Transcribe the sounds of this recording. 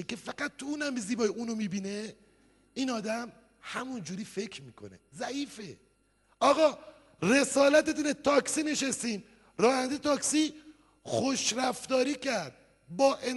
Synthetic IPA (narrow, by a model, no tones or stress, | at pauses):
kefæɡæt̪̚t̪ːuuːnæmbeziːbɒːjeuːnomiːbiːne | iːnɒːd̪æm | hæmund͡ʒuːɾiːfe̞kʰɾmiːkʰo̞̰nḛzæʔiːfe | ʔɒːɣɒː | re̞sɒːlæt̪et̪unet̪ʰɒːksineʃest̪iːm | ɾɒːhænd̪et̪ɒːksiː | xoʃɾæft̪ɒːɾiːcæɾd̪̥̚ | bɒːʔen